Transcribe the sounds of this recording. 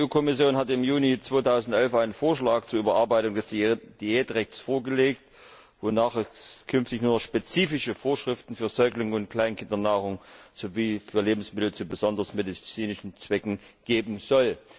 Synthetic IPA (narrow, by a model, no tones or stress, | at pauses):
ʔuːkʰɔmɪsjoːnɦatɪmjuːnit͡sv̥oːtʰaʊzn̩tʔɛlfʔaɪnənfoːɐʃlaːk̚t͡suːɐyːbɐʔaɐbaɪtʊŋdɛsd̥id̥iɛːtʁɛçt͡sfoːɐɡəleːkt | vonaːχɛskʰʏnftɪçnuːɐnɔχʃpet͡siːfɪʃəfoːɐʃʁ̥ɪftn̩fyːɐzɔʏklʊŋʊntkl̥aɪnkʰɪndɐnaːʁ̞ʊŋz̥oviːfyːɐleːbm̩smɪtl̩t͡subəzɔndɐsmedit͡siːnɪʃn̩t͡sv̥ɛkŋ̩ɡ̥eːbm̩zɔl